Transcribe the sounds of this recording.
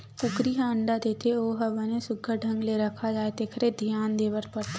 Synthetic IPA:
kʊkɾiɦãəɳɖad̪eːt̪ʰeoːɦɐbənesʊɡʱəɖʱə̃ŋɡleɾɐkʰad͡ʒaːet̪ekʰəɾed̪ʱjaːnd̪eːʋəɾpəɾt̪ʰː

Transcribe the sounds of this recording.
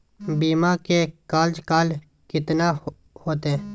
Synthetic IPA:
biːmãːkekaːld͡ʒkaːl | kɪt̪naː | hoːt̪eɛ̃ː

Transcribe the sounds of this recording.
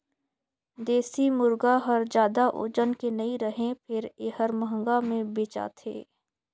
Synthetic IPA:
d̪eːsimʊɾɡaɦəɾd͡ʒjaːd̪aʔo̰ːd͡ʒənkenɐiɾɐɦẽpʰɪɾeːhəɾməɦə̃ŋɡamẽbeːt͡ʃa̰t̪ʰḛː

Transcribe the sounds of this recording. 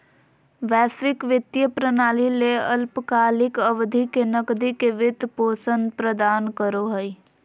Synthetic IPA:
ʋɛːsʋɪkʋɪt̪jəpɾənaːlileəlpəkaːlɪkəʋd̪ʱikenəkd̪ikeʋɪt̪poːsə̃nd̪pɾəd̪aːnkəɾoɦəi

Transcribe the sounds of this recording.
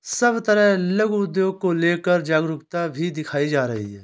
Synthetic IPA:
səbt̪əɾɛ̃ːləɡuʊd̪joːkoːleːkəɾd͡ʒaːɡɾʊkt̪aːbʱiːd̪ɪkʰaːiːd͡ʒaːɾə̰ɦḭːɦɛː

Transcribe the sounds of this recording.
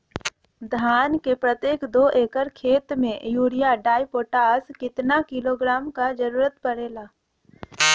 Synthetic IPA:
d̪ʱaːnkepɾət̪jeːkd̪oːʔeːkəɾkʰeːt̪mẽjuːɾɪjaɖaːjpoːʈaːzkɪt̪nakɪloːɡɾaːmkad͡ʒəɾuːɾət̪pəɾeːlaː

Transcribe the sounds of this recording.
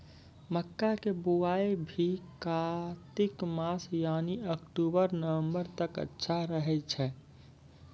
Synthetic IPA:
məkːakebuaebʱikat̪ikmasjaniəkʈubəɾnəʋə̃mbəɾt̪əkə̰tːʃʰaɾəɦɛt͡ʃʰɛ

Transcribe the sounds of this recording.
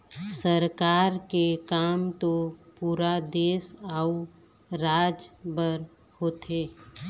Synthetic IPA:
səɾkaːɾkekaːmt̪opuːɾad̪eːsau | ɾaːd͡ʒbəɾ | hoːt̪ʰeː

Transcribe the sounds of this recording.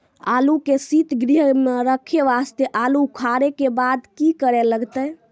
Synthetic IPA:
a̰lukesit̪ɡɾiɦmeɾəkʰeʋast̪jeʔalukʰaɾekebad̪kikəɾeləɡt̪ə

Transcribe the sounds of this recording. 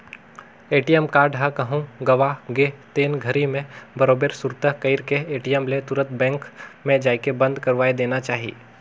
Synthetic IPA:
eːʈijəmkaːɾɖʱɦəkɐɦũɡɐʋaɡeɦt̪eːnɡʱɐɾimẽbɐɾoːbeːɾsuɾt̪əkəɪɾkeeːʈijəmlet̪uɾə̃t̪̚bɛ̃ːŋkmẽd͡ʒaːikebɐ̃nd̪kɐɾʋaːed̪eːnat͡ʃaːɦiḭː

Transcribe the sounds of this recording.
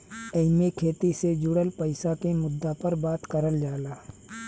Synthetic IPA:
əɪmekʰeːt̪ised͡ʒʊɽəlpəɪsakemʊd̪ːapəɾbaːt̪kəɾəld͡ʒaːlaː

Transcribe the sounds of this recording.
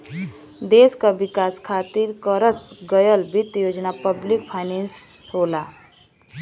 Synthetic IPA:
d̪eskabikaskʰat̪iɾkəɾəsɡəjəlbit̪jod͡ʒnapəblik̚pʰaɪnensɦola

